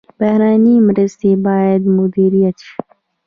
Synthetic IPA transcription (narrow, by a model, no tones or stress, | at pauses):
bɐhɾaːniːmɾəst̪iːbaːjəd̪mud̪iːɾijɐt̪t͡ʃʰu̥